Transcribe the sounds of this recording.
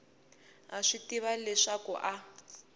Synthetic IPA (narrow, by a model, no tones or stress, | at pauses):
aʂitiβalɛʂakɔ̰ʔa